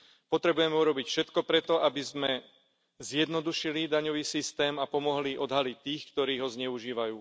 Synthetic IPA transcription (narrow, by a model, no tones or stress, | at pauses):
pɔt̪ɾɛbujɛmɛuɾɔbicfʃɛt̪kɔpɾɛt̪ɔʔabizmɛ | zjɛd̪nɔd̪uʃilid̪aɲɔʋiːsist̪ɛːmapɔmɔɦliʔɔd̪ɦalic̚t̪iːxkt̪ɔɾiːɦɔzɲɛuʒiːʋajuː